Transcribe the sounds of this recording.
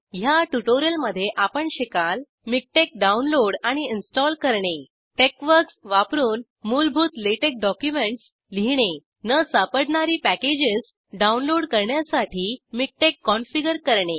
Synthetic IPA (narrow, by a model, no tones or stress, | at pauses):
ɦjaʈuʈoɾjəlməd̪ʱːjeʔapəɳɕikal | mik̚ʈek̚ɖaunloɽaɽ̃iinsʈɔlkəɾɳe | ʈekʋəɾksʋapɾuːn | mulbʱut̪leʈek̚ɖɔkjumeɳʈs | liɳe | nəsapəɽɳaɾiːpæked͡ʑis | ɖaunloɽkəɾɳjasaʈʰiːmik̚ʈekːɔnfiɡəɾkəɾɳe